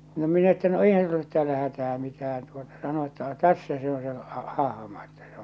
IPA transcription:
no minæ etːæ no eihæn sulː olet tæːlæ hætæː mitæːn tuotɑ sɑno etːæ no tæsːæ se on se ɑh ɑhɑ̆mɑ etːæ se

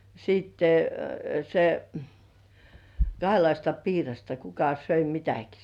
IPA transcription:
siːtːe se kɑhelɑistɑ piːrɑstɑ kukɑ søi mitæki

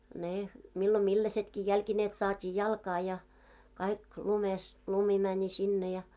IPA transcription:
ne milːo milːæsetki jælkineːt sɑːtʲiː jɑlkɑː jɑ kɑik lumes lumi mænʲi sinːe jɑ

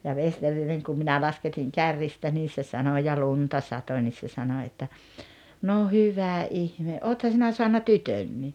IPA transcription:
jɑ ʋesterineŋ kum minæ lɑsketiŋ kærːistɑ niː se sɑno jɑ luntɑ sɑto nʲis se sɑno etːæ no hyʋæ ʔihme ʔoːthɑ sinæ soɑnːɑ tytønːiː

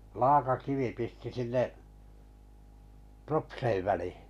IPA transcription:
lɑːkɑkiʋi pisti sinːeʋʔ propseiʋ ʋælihi̥

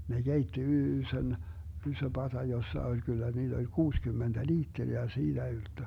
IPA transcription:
ne ɡ̊eitːi yːsøn ysø pɑtɑ josːɑ olʲ kylːæ niːd̥ olʲ kuːskymːend̥æ liːtːeri jɑ siːd̥æ yltːø

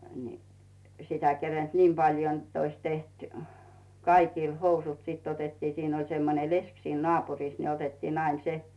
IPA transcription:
ni sitæ kerend̥ niːm pɑljo n̩tː ois teht kɑikiˑl housut sit otetːiː siːn olʲ semːone lesk siːn nŏɑˑpurˑis ne otetːiːnː ɑin se

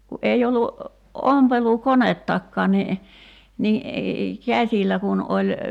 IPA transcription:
ku ʔei olːu ompelukonetːɑkːɑːn ni ni kæsʲilːæ kun ʔolʲ

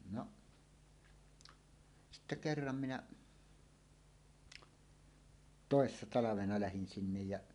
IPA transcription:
noʔ sitːe kerːɑm minæ toˑesːɑ tɑlɑʋenɑ læhin sinːej jæʔ

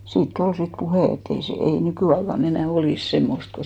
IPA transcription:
siːtː ol sit puheˑ etː ei se ei nykyˑɑikɑn enæˑ oliˑs semːost ko

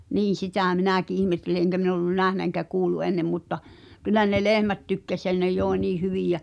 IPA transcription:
niːn̞ sitæˑ minæˑki ʔihmetːeli eŋkæ min olːun næhnæ eŋkæ kuːlːu enːem mutːɑ kylˑæ ne lehmæt tykːæs jæ ne joˑi̞ niː hyʋiˑj jæ

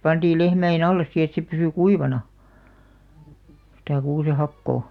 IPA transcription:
pɑntiːl lehmæen ɑlːes si et se pysy kuiʋɑnɑ sĭtæ kuːsehɑkːoː

